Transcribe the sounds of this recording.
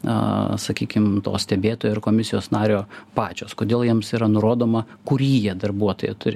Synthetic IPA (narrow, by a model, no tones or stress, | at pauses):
ɐ̰sɐkʲiːkʲɪmt̪o̰ːsʲt̪ʲɛbʲeːt̪oːjoɪrkoːmʲɪsʲɪjoːsnɑːɾʲoːpɑːt͡ʃʲoːskoːd̪ʲeːlˠjiɛmsiːɾɐnʊɾoːd̪oːmɐ | kʊɾʲiːjɛd̪ɐrbuɔt̪oːjɛ̰t̪ʊɾʲɪ